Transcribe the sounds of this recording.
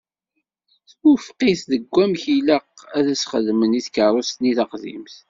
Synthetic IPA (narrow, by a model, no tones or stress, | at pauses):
θ | ufqiθðəɡʷːæmçiləqæðæsχəðməniθkərˤost̪niθɑqðḭmθ